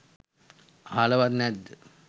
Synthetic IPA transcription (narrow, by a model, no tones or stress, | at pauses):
aaləʋat̪nɛd̪ːə